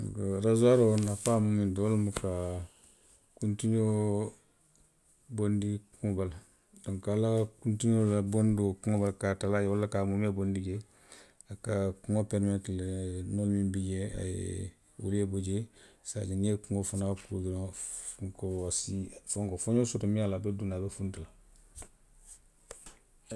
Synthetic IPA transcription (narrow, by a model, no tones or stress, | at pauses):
kɾazaɾonafamumindolmuka | kuntiɲo | bondikuŋobal | doŋkalakuntiɲolabondokuŋobalkatalajwolːakamumebondiɟe | akakuŋopeɾmetlenolmimbiɟea̰jḛ | wṵleboɟesa̰ɟaniekuŋofanakuɡiɾofuŋkosifoŋkofoɲoːsutumialabedunabefuntila